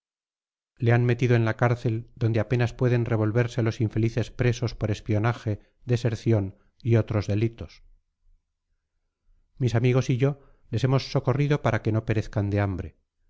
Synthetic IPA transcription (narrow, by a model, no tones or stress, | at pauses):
le̞anme̞t̪iðoe̞nlakaɾθe̞ld̪o̞nd̪eape̞naspwe̞ðe̞nre̞β̞o̞lβe̞ɾse̞lo̞siɱfe̞liθe̞spɾe̞so̞spo̞ɾe̞spio̞naxe̞ | ðese̞ɾθjo̞n | io̞t̪ɾo̞zðe̞lit̪o̞s | misamiɣ̞o̞siʝo̞ | le̞se̞mo̞sːo̞ko̞riðo̞paɾake̞no̞pe̞ɾe̞θkand̪e̞ambɾe̞